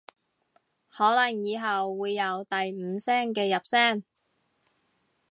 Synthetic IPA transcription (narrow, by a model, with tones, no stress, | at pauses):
hɔː˨˥lɐ˨˩ŋjiː˨˧ɦɐ˨wːuː˨˧jːɐ˨˧wt̪ɐ˨jm̩ː˨˧sɛː˥ŋkɛː˧jɐ˨p̚sɛː˥˩ŋ